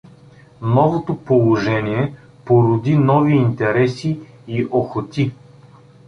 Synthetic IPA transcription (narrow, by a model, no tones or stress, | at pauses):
nɔvot̪opolˠoʒɛniɛ | poɾʊd̪inɔviːnt̪ɛɾɛsiː | ʔoxot̪ʲi